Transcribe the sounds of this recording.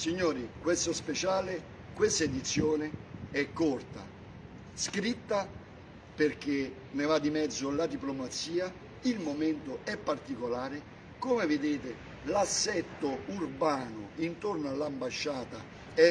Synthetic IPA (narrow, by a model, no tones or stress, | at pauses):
siɲːoːɾikwest̪ʊspet͡ʃaːlɪ | kwest̪aed̪it̪sːjoːnɪɛkːɔrt̪a̰ | skɾit̪ːa | perk̟e | nevad̪ːimɛd̪zːʊlad̪iplomat̪siːa | ilmoment̪ʊɛpːart̪ikolaːɾɪ | komevɪd̪eːt̪ɪ | lasːɛt̪ːʊurbaːnʊ̰int̪ornoalːambaʃːaːt̪a | ɛ